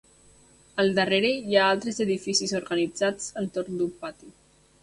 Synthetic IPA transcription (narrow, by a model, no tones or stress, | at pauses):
əlˠd̪əreɾejaalˠt̪ɾezəðifisizoɾɣənid͡zad͡zənt̪oɾnd̪upat̪i